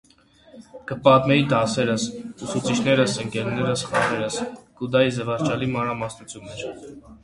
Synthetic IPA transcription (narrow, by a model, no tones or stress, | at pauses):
kəpɑt̪mɛɾid̪ɑsɛɾəsusut͡sʰit͡ʃʰnɛɾəsəŋkɛɾnɛɾəsχɑɾɛɾəskud̪ɑjizɛvɑɾt͡ʃɑlimɑnɾɑmɑsnut͡sʰjunmɛt͡ʃʰ